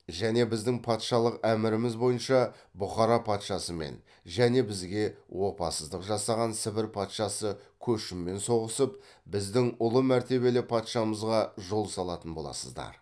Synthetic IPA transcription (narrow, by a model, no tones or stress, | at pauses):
ʒæne̞bɪzd̪ɪŋpʰɑt̪ʃɑlˠəqæmɪɾɪmɪzbo̞jənʃɑ | bʊχɑɾɑpʰɑt̪ʃɑsəme̞̰n | ʒæne̞bɪzɡʲe̞wʔo̞pɑ̰səzd̪əqʒɑsɑʁɑnsɪbɪɾpʰɑt̪ʃɑsəkʲʰɵʃɪmːe̞nso̞ʁəsəp̚ | bɪzd̪ɪŋʊlˠəmæɾt̪e̞βe̞lɪpʰɑt̪ʃɑməzʁɑʒo̞lˠsɑlˠɑt̪ənbo̞lˠɑ̰səzd̪ɑ̰ɾ